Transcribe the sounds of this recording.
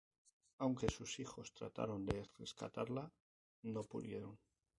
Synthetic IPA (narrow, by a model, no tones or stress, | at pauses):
awŋke̞susixo̞st̪ɾa̰t̪a̰ɾo̞nd̪e̞re̞ska̰t̪aɾla | no̞puðje̞ɾo̞n